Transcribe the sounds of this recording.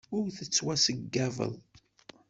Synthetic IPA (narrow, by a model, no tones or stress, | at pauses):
ʊɾθət͡sːwæsəɡːævə̰ðˤ